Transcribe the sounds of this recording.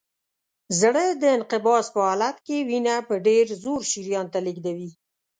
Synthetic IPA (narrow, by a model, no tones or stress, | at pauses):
zɽəd̪əɪnqɪbɑspəhɑlat̪kewinapəɖeɾzoɾʃiɾjɑnt̪aliɡd̪awi